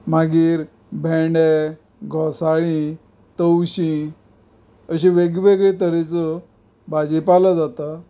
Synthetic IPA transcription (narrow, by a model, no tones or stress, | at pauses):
maɡiːɾ | bʱẽɖe | ɡʱɔsaɭĩ | t̪əwɕĩ | əɕĩʋeɡʋeɡɭet̪əɾet͡sə | bad͡ʑipaləd͡zat̪a